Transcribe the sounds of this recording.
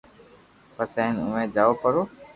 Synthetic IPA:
pəseːnʊ̰ʋẽːd͡ʒaːoːpəɾoː

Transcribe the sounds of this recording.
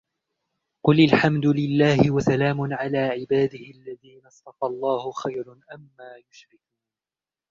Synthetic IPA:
qʊlalħamd̪ʊlɪlːaːhɪwasalaːmʊnʕalaːʕɪbaːd̪ɪhɪʔalːaðiːnɑst̪ɑfɑlˤːɑːhʊxajɾʔamːaːjʊʃɾɪkuːn

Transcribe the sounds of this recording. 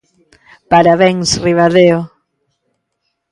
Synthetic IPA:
paɾaβɛŋsriβaðeo

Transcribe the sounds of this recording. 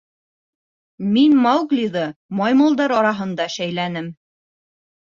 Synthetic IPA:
minmɑwɡlʲiðɤmɑjmɤ̆lˠd̪ɑɾɑɾɑɦɤ̆nd̪ɑʃæjlænɘm

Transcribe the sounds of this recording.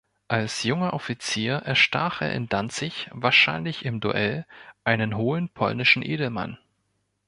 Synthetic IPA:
ʔalsjʊŋɐʔɔfit͡siːɐʔɛɐʃta̰ːχʔḛːɐɪ̰ndant͡sɪçvaːɐʃaɪnlɪçɪmdṵʔɛlʔaɪnənɦoːənpʰɔ̰lnɪʃn̩ʔeːdl̩ma̰n

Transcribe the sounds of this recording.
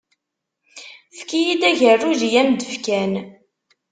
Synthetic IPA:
fkijid̪æʝərːuðijænd̪əfkæn

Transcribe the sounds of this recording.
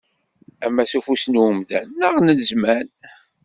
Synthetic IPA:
æmːæsufusnwəmðæ̰nːəʁnəlzmæn

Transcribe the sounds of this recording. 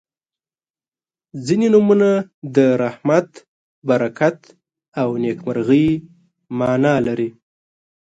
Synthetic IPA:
zinenumunad̪əɾahmat̪ | baɾakat̪ | awnekmaɾɣəj | mɑnɑlaɾi

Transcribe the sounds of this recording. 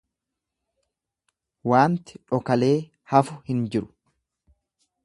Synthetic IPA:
waːnt̪ɪ̥ᶑɔkɐle̞ː | hɐfʊhɪnd͡ʒɪɾʊ̥

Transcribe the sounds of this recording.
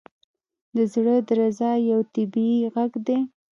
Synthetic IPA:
d̪əzɽəd̪əɾazɑjawt̪ɪbiɣaɡd̪e

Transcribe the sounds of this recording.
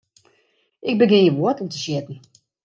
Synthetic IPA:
ʔɪɡ̚bəɡɪnjəʋoətɔmtəʃjɪtn̩

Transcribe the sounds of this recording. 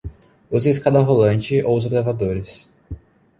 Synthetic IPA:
ʊziskad̪ɐɦolɐ̃nt͡ʃɪʔowʊzolevad̪oɾɪs

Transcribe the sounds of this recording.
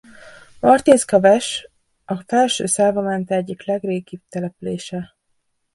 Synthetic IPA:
mɒrt̪iːskɒvɛʃ | ɒfɛlʃø̰ːsaːvɒmɛnt̪ɛɛɟːiklɛɡreːɡib̚t̪ɛlɛpyleːʃɛ

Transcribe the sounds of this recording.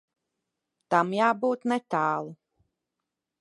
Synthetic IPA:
t̪amjaːbuːt̪nɛt̪aːlˠu

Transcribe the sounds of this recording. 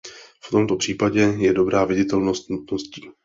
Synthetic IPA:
ft̪o̞mt̪o̞pr̝̥iːpaɟɛjɛdo̞bɾaːvɪɟɪt̪ɛlno̞st̪nut̪no̞sciː

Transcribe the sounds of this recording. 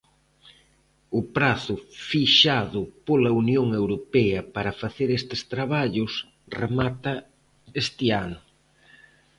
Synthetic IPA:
ʊpɾaθʊfiʃaðʊpolɐunjoŋewɾopɛɐpaɾɐfaθeɾest̪e̥st̪ɾaβaʎʊs | remat̪ɐ | est̪eanʊ

